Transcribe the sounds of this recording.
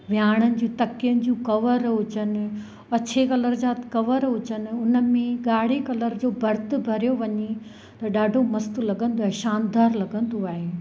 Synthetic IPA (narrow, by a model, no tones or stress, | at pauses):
ʋjaːɽ̃ənɪ̆d͡ʑũːt̪ɐkijənɪ̆d͡ʑũːkɐʋəɾɦʊt͡ɕənɪ̆ | ɐt͡ɕʰekɐləɾd͡ʑaːt̪kɐʋəɾɦʊt͡ɕənɪ̆ʊnəmẽɠaːɽ̤ekɐləɾd͡ʑoːbʱɐɾt̪ʊ̆bʱɐɾijoʋɐɲe | t̪ɐɗaːɖʱomɐst̪ʊlɐɠə̃nd̪oaːɦeʃaːnd̪aːɾlɐɡə̃n̆d̪oaːɦeː